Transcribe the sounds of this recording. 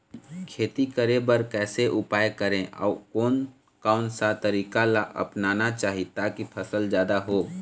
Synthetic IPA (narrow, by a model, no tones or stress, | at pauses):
kʰeːt̪ikəɾebəɾkɛːseʔʊpaːjkəɾẽʔɔ̰ːʊkoːn | kaːʊnsat̪əɾiːkalaʔə̰pnaːnat͡ʃaːɦit̪aːkipʰəsəld͡ʒjaːd̪aɦoː